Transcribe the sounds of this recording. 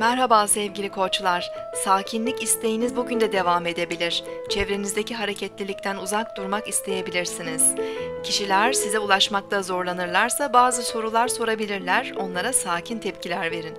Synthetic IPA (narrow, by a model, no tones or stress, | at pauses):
mæɾɦabaːsɛvɟilʲikʰo̞t͡ʃlˠaɾ̥saːcʰinlʲicist̪ʰe̞jinizbuɟynd̪ɛd̪e̞vame̞d̪e̞bilʲiɾ̥t͡ʃʰɛvɾe̞nizd̪eciɦaɾe̞cʰɛt̪lʲilʲic̚t̪ʰænuzak̚d̪uɾmakist̪ʰe̞je̞bilʲiɾsiniz̥cʰiʃilʲæɾsizɛulˠaʃmak̚t̪ʰazo̞ɾlˠanɯɾlˠaɾsabaːzɯso̞ɾulˠaɾso̞ɾabilʲiɾlʲæɾo̞nlˠaɾasaːcʰint̪ʰɛp̚cʰilʲæɾve̞ɾin